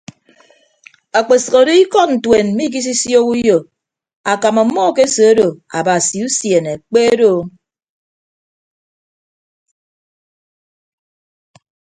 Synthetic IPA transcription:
a˨k͡pe˨sɨ˨ɣo˨di˦i˦kɔ˦t̚n̩˨twe˨n̩˦i˦k̬i˦s̬i˦sjo˦ku˦jo˨ | a˨ka˨ma˨˦mːɔ˦ke˦so˨o˦do˨a̰˨ba˨si˨u˦sje˨ne˨k͡pe˦do˦˨

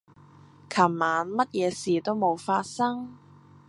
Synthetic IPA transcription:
kʰɐ˨˩mmaː˨˧˥nmɐ˥t̚jɛː˨˧siː˨˩t̪o˥wmo˨˧wfaː˧t̚sɐ˥ŋ

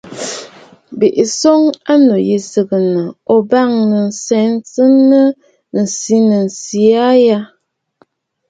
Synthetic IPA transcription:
be˨ʔi˨so˦ŋa˦no˨ji˨sə˨ɡə˨nə˨o˨ba˦˨ŋnə˨n̩˨sɛ˨˦n˦t͡sə˦nə˦ | n̩˨si˦nə˨n̩˨si˨a˦ja˦

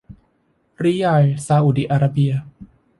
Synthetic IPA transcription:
ɾiː˦ja˧jsaː˧ʔu˨˩di˦ʔaː˧ɾa˧bi˧ɐ

